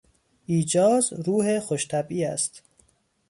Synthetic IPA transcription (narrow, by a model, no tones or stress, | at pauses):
iːd͡ʒɒːzɾuːhexoʃt̪ʰæbiːæst̪